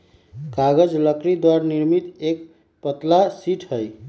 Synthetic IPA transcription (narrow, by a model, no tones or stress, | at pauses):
kaɡəd͡ʒləkɾid̪waɾniɾmit̪ek | pət̪lasiʈʰɦəj